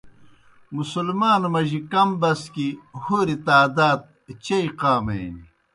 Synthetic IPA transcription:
musulmaːnmɐʑikɐmbɐskihoːɾit̪aːd̪aːt̪̚t͡ɕɐiqaːmejni

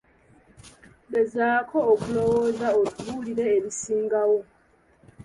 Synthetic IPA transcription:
bezaːkʰoːkulowoːzaotuβuliɾeːβisiːŋɡawo

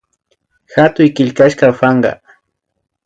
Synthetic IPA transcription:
xat̪ʊjkɪʎkaʃkafɑɴɢɑ̰

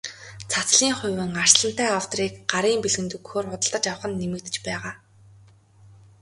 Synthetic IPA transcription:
t͡sʰat͡sɮiːŋχʊjwɘ̆ŋar̥sɮə̆n̥t̪æːaw̥t̪ɔɾiːkɢ̥aɾiːmpeɮɣɘ̆nt̪ukxoːrχʊt̪ə̆ɮt̪ə̆t͡ɕawə̆χə̆nːemɘ̆k̚t̪ɘ̆t͡ɕpæːʁaː

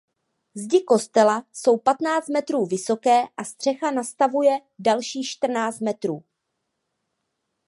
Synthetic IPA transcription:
zɟɪko̞st̪ɛlaso̞wpat̪naːt͡st̪̚mɛt̪ɾuːvɪso̞kɛːʔast̪r̝̥ɛxanast̪avujɛ | dalʃiːxʃt̪r̩naːt͡st̪mɛt̪ɾuː

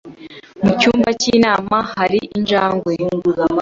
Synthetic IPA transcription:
mucuːmbacinaːmahaɾiind͡ʒaːŋɡwoj

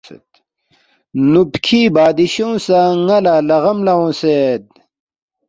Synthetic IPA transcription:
ḛt̪ | nubkʰiːbaːd̪iɕõːsaŋɐlaːlɐɣɐmlɐwõsed̪̚

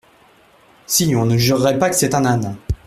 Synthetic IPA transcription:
siɲɔ̃nəʒyʁːɛpakə̥sɛt̪ɛ̃nan

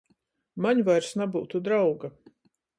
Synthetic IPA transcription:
maɲvajɾsnabuːt̪ud̪ɾawɡa

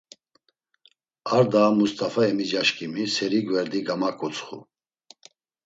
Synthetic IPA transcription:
aɾd̪aːmust̪ʼafaɛmid͡ʒaʃkʼimisɛɾiɡvɛɾd̪iɡamakʼut͡sʰʼχṵ

